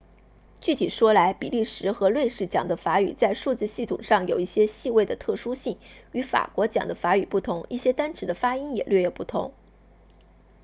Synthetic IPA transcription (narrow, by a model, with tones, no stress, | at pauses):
t͡ɕy˥˩t̪ʰi˨˩ʂwɔ˥la˧˥ɪpḭ˨˩li˥˩ʂɻ̩˧˥xɤ˧˥lwe˥˧ɪʂɻ̩˥˩t͡ɕjɑ̰˨˩ŋd̪ə˦fa˧˥y̰˨˩t͡sa˥˧ɪʂu˥˧t͡sɹ̩˥˧ɕi˥˩t̪ʰʊ̰˨˩ŋʂɑ˥˩ŋjo˨˩ʊi˥˩ɕjɛ˥ɕi˥˧we˥˩ɪd̪ə˩t̪ʰɤ˥˩ʂu˥ɕi˥˩ŋy˧˥fa̰˨˩kwɔ˧˥t͡ɕjɑ̰˨˩ŋd̪ə˦fa˧˥y˨˩pu˥˩t̪ʰʊ˧˥ŋi˥˩ɕjɛ˥t̪a˥nʈ͡ʂʰɻ̩˧˥d̪ə˧fa˥i˥njɛ̰˨˩lɥɛ˥˧jɛ˨˥˩ʊpu˥˩t̪ʰʊ̰˧˥ŋ